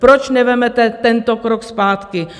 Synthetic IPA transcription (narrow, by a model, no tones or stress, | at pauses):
pɾot͡ʃnɛvɛmɛt̪ɛt̪ɛnt̪okɾokspaːt̪kɪ